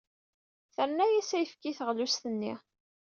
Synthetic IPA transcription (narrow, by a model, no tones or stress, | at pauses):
θəɾnæjæsæjəfkiθəʁlust̪ənːi